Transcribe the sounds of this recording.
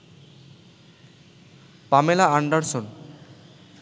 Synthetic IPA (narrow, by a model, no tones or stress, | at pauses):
pamelaaɳɖaɾson